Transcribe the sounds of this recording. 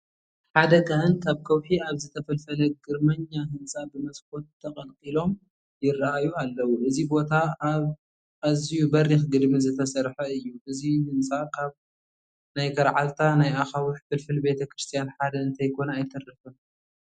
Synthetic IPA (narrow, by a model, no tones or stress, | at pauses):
ħad̪ɐɡahɨnkʰaβkʰɐwħiaβzɨt̪ʰɐfɐlfɐlɐɡɨɾmɐɲːaɦɨnt͡sʼabɨmɐskʰo̞t̪ʰːɐqʼɐlqʼilo̞m | jɪrːaʔajualːɐwuʔɨzibo̞t̪ʰa | azijubɐɾːixɡɨd̪mizɨt̪ʰɐsɐɾħɐɨjːuʔɨzihɨnt͡sʼakʰaβ | najkʰɐɾʕalt̪ʰanajaxawʊħfɨlfɨlbe̞t̪ʰɐkɾɨst̪ʰijanħad̪ɐɨnt̪ʰɐjkʰo̞naːjt̪ʰɐrːɐfɨ